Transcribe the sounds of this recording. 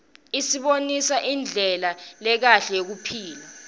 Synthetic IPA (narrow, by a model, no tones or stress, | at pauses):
isiɓonisaʔind͡ɮʱɛlalɛk̬aɬɛjok̬upʰiːla